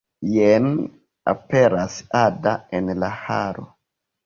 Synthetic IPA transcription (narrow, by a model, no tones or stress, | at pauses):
jen | a̰peɾasadaenlahaɾo̰